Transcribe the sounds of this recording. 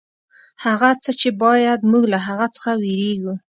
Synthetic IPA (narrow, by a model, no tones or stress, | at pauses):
haɣat͡sət͡ʃebɑjad̪muɡlaɦaɣat͡sə̥xaweɾeɡu